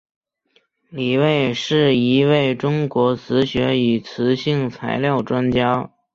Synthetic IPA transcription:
li˨˩we˥˧ɪʂɻ̩˥˩i˧˥we˥˩ɪʈ͡ʂʊ˥ŋkwɔ˧˥t͡sʰɹ̩˧˥ɕɥɛ˧˥y˨˩t͡sʰɹ̩˧˥ɕi˥˩ŋt͡sʰa̰˧˥ɪljɑ˥˩ʊʈ͡ʂwa˥nt͡ɕjɑ˥ʊ

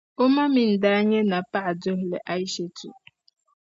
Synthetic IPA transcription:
o˦ma˦mi˨n̩˨da˦ɲe˦na˨pa˦˨do˦ɦe˨lḛ˨ʔa˦i˦ʃe˦tṵ˨

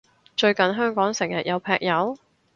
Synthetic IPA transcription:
t͡ʃɵ˧ɥkɐ˨nɦœː˥ŋkɔː˨˥ŋsɪ˨˩ŋjɐ˨t̚jʔɐ˨˧wpʰɛː˧k̚jɐ˨˧˥w

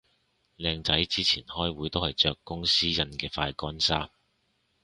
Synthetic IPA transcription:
lɛː˧ŋt͡sɐ˨˥jt͡siː˥t͡sʰiː˨˩nhɔː˥jwuː˨˥jt̪o˥whɐ˨jt͡ʃœː˧kːʊ˥ŋsiː˥jɐ˧nkɛː˧faː˧jkɔː˥nsaː˥m

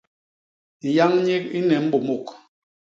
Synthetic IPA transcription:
n̩˨ja˦ŋɲe˦k̚i˦nɛ˨m̩˦bo˨mo˦˨k

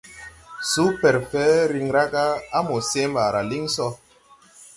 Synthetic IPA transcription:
su˦pɛ˨ɾfɛ˨˦ɾi˨ŋɾa˦ɡa˦a˦mo˨se˦mba˨ɾa˨li˦ŋsɔ˦

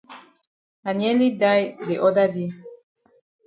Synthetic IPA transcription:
a˨nɛ˦li˦da˦jde˨ʔɔ˦da˦di˦

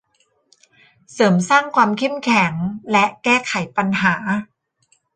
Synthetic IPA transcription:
sɤː˩˦msaː˥˩ŋkʰwaː˧mkʰe˥˩mkʰɛ˩˦ŋlɛ˦˥ʔkɛː˥˩kʰa˩˦jpa˧nɦaː˩˦

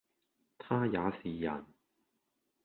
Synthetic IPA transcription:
t̪ʰaː˥jaː˨˧siː˨jɐ̰˨˩n

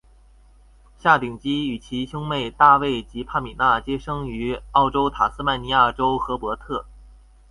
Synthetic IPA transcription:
ɕja˥˩t̪i˨˩ŋt͡ɕi˥y˨˩t͡ɕʰi˧˥ɕjʊ˥ŋme˥˧ɪt̪a˥˧we˥˩ɪt͡ɕi˧˥pʰa˥˩mi˨˩na˥˩t͡ɕjɛ˥ʂɤ˥ŋy˧˥ɑ˥˩ʊʈ͡ʂo˥ʊt̪ʰa˨˩sɹ̩˥ma˥˩nni˧˥ja˥˩ʈ͡ʂo˥ʊxɤ˧˥pwɔ˧˥t̪ʰɤ˥˩

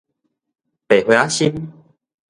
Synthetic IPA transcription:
pe˨˩hwe˧˨a˦ɕi˦m

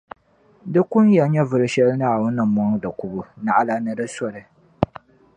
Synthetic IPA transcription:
dɨ˦kʊ˦njɛ˨˦ɲɛ˦vʊ˨ɾɨ˦ʃɛ˦lɨ˦naː˨wʊ˦nːɨ˨mɔ˦ŋ˦dɨ˨ku˨bʊ˨na˨ʔa˦la˦nɨ˨dɨ˦sɔ˦ɾɨ˨

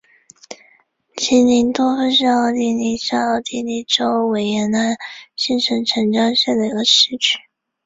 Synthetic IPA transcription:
t͡ɕʰi˧˥nni˧˥nt̪wɔ˥fə˥nɕ̬ɑ˥˧ɑ˧˩ʊt̪i˥˩ni˧˥ɕɑ˥˩ɑ˥˩t̪i˥˩ni˧˥˩ʈ͡ʂo˥ʊwe˨˩ɪjɛ˧˥nna˥nɕi˥nʈ͡ʂʰə˧˥nʈ͡ʂʰə˧˥ŋʈ͡ʂɑ˥ŋɕjɛ˥˩d̪ə˩i˧˥ɡə˧ʂɻ̩˥t͡ɕʰy˥˩

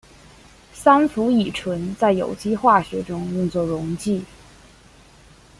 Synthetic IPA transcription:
sa˥nfu˧˥i˨˩ʈ͡ʂʰwə˧˥nt͡sa˥˩ɪjo̰˨˩ʊt͡ɕi˥xwa˥˩ɕɥɛ˧˥ʈ͡ʂʊ˥ŋjʊ˥˧ŋt͡swɔ˥˩ɻʊ˧˥ŋt͡ɕi˥˩

